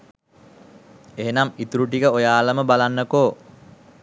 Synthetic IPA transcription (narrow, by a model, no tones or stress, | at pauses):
eɦenamit̪uɾuʈikəojaːləməbalanːəkoː